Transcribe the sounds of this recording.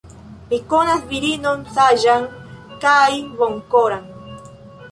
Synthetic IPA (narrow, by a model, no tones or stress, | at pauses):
pikonasbiɾinonsaʒaŋ | kajβoŋkoɾaŋ